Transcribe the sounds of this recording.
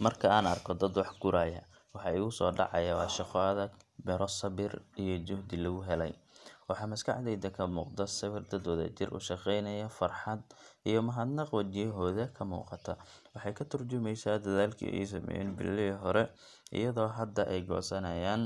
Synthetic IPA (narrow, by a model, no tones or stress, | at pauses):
mɐrkʰɐaːnɐrkʰɔd̪ɐd̪wɑħɡʊɾaːjɐ̰ | wɑħɑɪɣʊsɔːɖɑ̰ʕɑ̰jɐwɑːʃɑqɔɐðɐɡ̪bɛɾɔsɐβɪrijɔd͡ʒʊhd̪ɪlɐɣʊɦɛlɛ̰jwɑħɑːmɐskʰɑ̰ħd̪ɛjd̪ɐkʰɐmuːqd̪ɐsɐβɪrd̪ɐd̪wɐðɐ̰t͡ʃɪrʔʊ̰ʃɑqɛjnɐjɐfɐrħɑd̪ʔijɞmɐɦɐd̪nɐqwɐt͡ʃɪjɦɔːðɐkʰɐmṵːqɑt̪ʰɐ | wɑħɑjkʰɐt̪ʰɐrt͡ʃʊmɛjsaːd̪ɐðaːlkʰḭːʔɛ̰js̬ɐmɛ̰jɛ̰nbɪ̰lːɪɦɔɾɛ | ʔɪ̰jɐðɔːɦɐd̪ɐʔɛjɡɔ̰ːsɐnɐjaːn